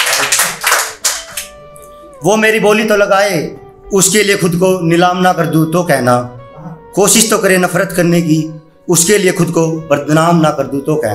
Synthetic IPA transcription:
ʋoːmeːɾiboːlit̪olɐɡaːe | ʊskeliexʊd̪konɪlaːmnakəɾd̪ũt̪okɛːɦnaːkoːʃɪʃt̪okəɾenɐfʰɾət̪kəɾnek̬i | ʊskeliexʊd̪kobəɾd̪naːmnakəɾd̪ũt̪okɛ̰ːnː

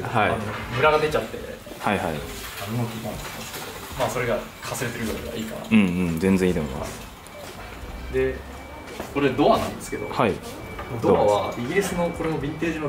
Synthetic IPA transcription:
aianomɯ̟ɾaɡad̪e̞t͡ɕat̪ːe̞̰ | haihai | nãnːokʲik̪ãnkimasɨ̥ked̪omaːso̞ɾe̞ɡakʰasɨɾe̞t̪e̞ɾɯ̟jɯɾaea̰iːkana̰ɯ̃ɴɯ̃ːɴzẽ̞nzẽiːt̪omoḭma̰sɨ̥ | d̪e̞ | ko̞ɾed̪o̞βanãnd̪e̞sɨ̥ke̞d̪o̞̰hai | mod̪oβaβaiɡʲiɾʲisɨno̞ko̞ɾe̞obʲĩnt̪e̞ːʑino

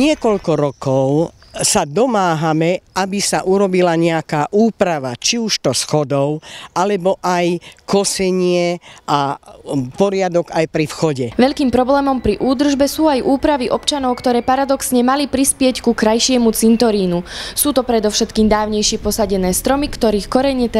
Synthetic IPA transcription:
ɲɪɛkɔʎkɔɾɔkɔʊ | sad̪ɔmaːɦamɛabisaʔuɾɔbilaɲɛakaːʔuːpɾaʋat͡ʃiuʃt̪ɔsxɔd̪ɔʊalɛbɔʔajkɔsɛɲɪɛʔa | pɔɾɪad̪ɔɡajpɾifxɔɟɛʋɛʎkiːmpɾɔblɛːmɔmpɾiʔuːd̪r̩ʒbɛsuːajʔuːpɾaʋiʔɔpt͡ʃanɔʊkt̪ɔɾɛːpaɾad̪ɔksɲɛmalipɾispɪɛckukɾajʃɪɛmut͡sint̪ɔɾiːnusuːt̪ɔpɾɛd̪ɔfʃɛt̪kiːmd̪aːʊɲɛjʃɪɛpɔsaɟɛnɛːst̪ɾɔmikt̪ɔɾiːxkɔɾɛɲɛt̪ɛ

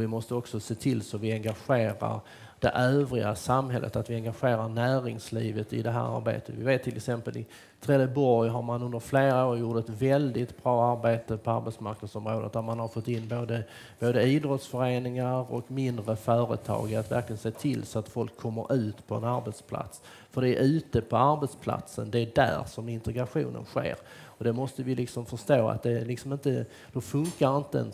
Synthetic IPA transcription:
ɔvɪmɔst̪əɔksɔseːt̪ʰɪlsɔmvɪɛŋɡaɧeːɾa̰ɾ | d̪ɛ̰ʔøːvɾɪɡasamɦɛlʔə̰t̪at̪vɪɛŋɡaɧeːɾaɾɳæːɾɪŋslḭːvət̪ɪd̪ɛɦæ̰ːɾa̰ɾbḛːt̪ʰə̥vɪveːt̪ʰːɪlɛ̰ksɛmpəlʔɪ̰ | t̪ʰɾɛːd̪əbɔɾjɦaɾmanɵnd̪əɾfleːɾaoːɾjuʈɛt̪vɛld̪ɪt̪bɾɑːaɾbeːt̪əpʰɔaɾbeɛt̪smaɾknad̪sɔmɾoːd̪ə̰t̪̚d̪æɾmanhaɾfɔt̪ːɪnːboːd̪ə | b̥oːd̪əiːd̪ɾɔt̪sfœɾeːnɪŋaɾɔ̰kmɪnd̪ɾəfœːɾə̰t̪ʰɑ̰ːɡat̪væ̰ɾklɪɡənseːt̪ʰɪlsɔat̪fɔlkʰːɔmːə̰ɾʔʉ̟ːt̪pʰɔɛ̰naɾbɛt̪spʰla̰t̪s | fœɖɛæɾʔʉ̟ːt̪əpʰɔaɾbɛt̪spʰla̰t̪sənd̪ɛæɖæ̰ɾʂɔmɪnt̪ɛɡɾaɧṵːnə̰nɧḛːɾ | ɔd̪ɛmɔst̪əvɪlɪksɔmfəʂt̪oːa̰t̪̚d̪ɛlɪksɔmɪnt̪ə | d̪̥ɔfɵŋkaɾɪnt̪əə̰n

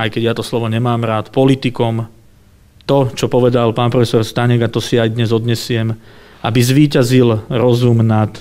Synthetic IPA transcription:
ajkɛɟjat̪ɔslɔʋɔɲɛmaːmɾaːt̪pɔlit̪ikɔm | t̪ɔt͡ʃɔpɔʋɛd̪alpaːnpɾɔfɛsɔɾst̪aɲɛɡat̪ɔsiajd̪ɲɛzɔd̪ɲɛsɪɛm | abizʋiːcazilɾɔzumnat̪

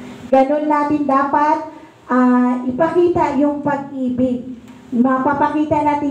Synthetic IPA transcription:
ɡɐnonːaːt̪ɪnd̪aːpat̪̚ | ʔaːʔɪpɐkiːt̪ajʊŋpɐɡ̚ʔiːbɪɡ̚ | mɐpapɐkiːt̪ɐnaːt̪ɪ

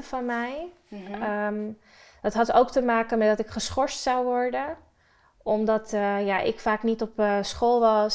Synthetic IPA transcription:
fɑnmɛj | əm | d̥ɑtɦɑtowktəmaːkənmɛdɑtɪkχəsχɔɹstsawʋɔɹdən | ʔɔmdɑtjaʔɪ̰kfaːknitɔpsχoːlˠʋɑs

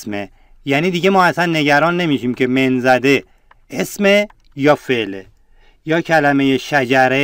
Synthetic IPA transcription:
me | jæːniːd̪iɟe̞mɒːæsænːe̞ɟæɾɒːnːe̞miʃiːmcʰe̞menzæd̪e̞ | esme | jɒːfeʔle | jɒːcʰælæme̞jeʃæd͡ʒæɾe

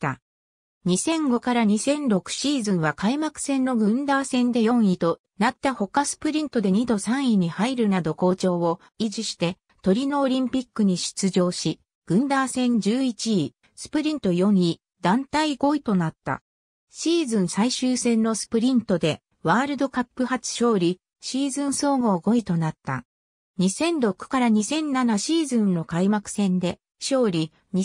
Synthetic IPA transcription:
t̪a̰ | ɲ̟isẽ̞ŋɡo̞kaɾaɲ̟isẽ̞nɾo̞kɯ̟̥ɕiːzɨ̃ɰ̃βakaimakɯ̟̥sẽ̞nːo̞ɡɯ̟̃nd̪aːsẽ̞nd̪e̞jõ̞ɰ̃it̪o̞ | nat̪ːaho̞kasɨ̥pɯ̟ɾʲĩnt̪o̞d̪e̞ɲ̟id̪o̞sãɰ̃iɲ̟ihaiɾɯ̟nad̪o̞ko̞ːt͡ɕo̞ːo | iʑiɕi̥t̪e̞ | t̪o̞ɾʲino̞ːɾʲĩmpʲikːɯ̟ɲ̟iɕi̥t͡sɨʑo̞ːɕi | ɡ̥ɯ̟̃nd̪aːsẽ̞ɲd͡ʑɨːit͡ɕiː | sɨ̥pɯ̟ɾʲĩnt̪o̞jõ̞ɲi | d̪̥ãnt̪aiɡo̞it̪o̞nat̪ːa̰ | ɕiːzɨ̃ɰ̃saiɕɨːsẽ̞nːo̞sɨ̥pɯ̟ɾʲĩnt̪o̞d̪e̞ | βaːɾɯ̟d̪o̞kapːɯ̟hat͡sɨ̥ɕo̞ːɾʲi | ɕiːzɨ̃ɰ̃so̞ːŋo̞ːɡo̞it̪o̞nat̪ːa̰ | ɲ̟isẽ̞nd̪o̞kːɯ̟̥kaɾaɲ̟isẽ̞nːanaɕiːzɨ̃nːo̞kaimakɯ̟̥sẽ̞nd̪e̞ | ɕo̞ːɾʲi | ɲi

